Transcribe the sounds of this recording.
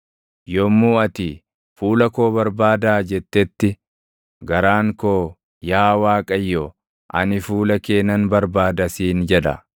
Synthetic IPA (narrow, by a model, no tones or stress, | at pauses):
jɔmːuːɐt̪i | fuːlɐkoːbɐɾbaːd̪aːd͡ʒɛt̪ːɛt̪ːɪ | ɡɐɾaːŋkoː | jaːwaːkʼɐjːo | ʔɐ̰nɪfuːlɐke̞ːnɐnbɐɾbaːd̪ɐsiːnd͡ʒɛᶑɐ̰